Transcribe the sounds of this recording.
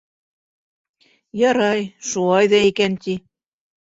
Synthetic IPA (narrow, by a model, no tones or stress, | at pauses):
jɑɾɑjʃulˠɑjðɑikænt̪ʲi